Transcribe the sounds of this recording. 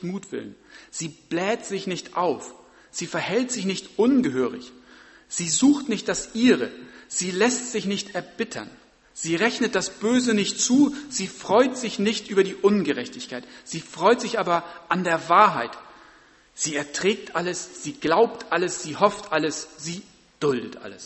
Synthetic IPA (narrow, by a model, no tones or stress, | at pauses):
muːtv̥ɪ̰lə̰nz̥iːb̥lɛːtz̥ɪçnɪçtʔaʊf | z̥iːfɛɐhɛltz̥ɪçnɪçtʔʊnɡəɦøːʁɪ̰ç | z̥iːzuːxtnɪçt̚d̥asʔiːʁə̰z̥iːlɛstz̥ɪçnɪçtʰɛɐbɪtʰɐ̰n | z̥iːʁɛçnət̚d̥asb̥øːzənɪçtt͡suːz̥iːfʁ̥ɔʏtz̥ɪçnɪçtʔyːbɐdiːʔʊnɡəʁɛçtɪçkʰaɪtz̥iːfʁ̥ɔʏtz̥ɪçʔaːbɐʔandeːɐvaːɐɦaɪt | z̥iːɛɐtʁ̥ɛːk̚tʔaləsz̥iːɡ̥laʊp̚tʰʔaləsz̥iːhɔftʔaləsz̥iː | d̥ʊldətʔa̰ləs